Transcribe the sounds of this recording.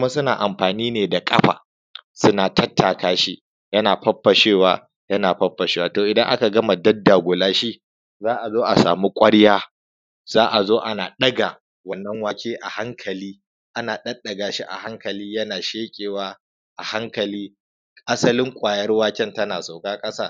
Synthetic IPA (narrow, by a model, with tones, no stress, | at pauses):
ʊ˦ma˦sʊ˦naː˨ʔa˨mɸaː˨niː˦neː˨da˨kʼɐ˦ɸa̰ː˨ | sʊ˦naː˨tʰɐ˦tːaː˨kaː˦ʃi˦ | jɐ˦naː˨ɸɐ˦ɸːɐ˨ʃeː˦˨waː˦ | jɐ˦naː˨ɸɐ˦ɸːɐ˨ʃeː˦waː˨toː˨ʔɪ˨dɐ˦ŋʔa̰˦ka˨ɡɐ˦ma˨dɐ˦dːa˨ɡʷʊ˨laː˦ʃi˦ʔ | zaː˦ʔa˨zoː˦ʔa˨sa̰ː˨mu˦kʷʼɐ˦ɽjaː˦ | zaː˦ʔa˨zoː˦ʔa˦naː˨ɗɐ˦ɡa˨ | wɐ˨nːɐ˦ŋwaː˦kʲʰeː˦ʔa˨ha˦ŋkʰɐ˨liː˦ | ʔa˦naː˨ɗɐ˦ɗɐ˨ɡaː˨ʃi˦ʔa̰˨ha˦ŋkɐ˨liː˦jɐ˦naː˨ʃeː˦kʲʼeː˨waː˦ | ʔa˨ha˦ŋkɐ˨liː˦ | kʼa˦sɐ˦lɪ˦ŋkʷʼaː˨jɐ˦rwaː˦kʲɛ˦ntɐ˦naː˨sa˨wkaː˦kʼɐ˦saː˦˨